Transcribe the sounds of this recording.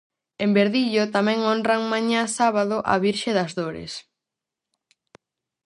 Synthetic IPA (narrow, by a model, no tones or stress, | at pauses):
embeɾðiʎot̪amɛ̃ŋonraŋmãɲãsaβaðʊʔɐ̰βiɾʃeðɐzðoɾɪ̰s